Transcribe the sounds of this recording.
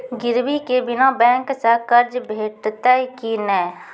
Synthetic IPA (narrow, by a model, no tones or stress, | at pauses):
ɡɪɾbikebɪnabɛ̃ːŋksəkəɾd͡ʒbʱeːʈt̪aikinɛː